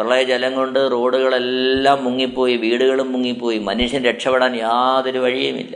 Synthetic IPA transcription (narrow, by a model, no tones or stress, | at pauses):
rɐɭɐɐd͡ʑelɐŋko̞ɳɖɨro̞ːɽuɣɐɭe̞lːaːmːuŋːipːo̞ːjiʋiːɽuɣɐɭummːuŋːipːo̞ːjimɐnuʂjɐnɾe̞ʈʂɐpːeɽaːnjaːðo̞ɾuʋɐɻijɐmḭlːɐ